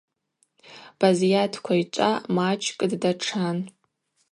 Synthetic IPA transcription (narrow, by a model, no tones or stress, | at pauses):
b̥azijatʰkʷʰait͡ʃʷʼamat͡ʃʰʼkʼddaʈ͡ʂʰan